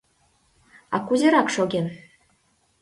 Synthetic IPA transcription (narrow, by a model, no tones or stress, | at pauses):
ɑ̰kuzʲeɾɑkʂoɡʲemʲ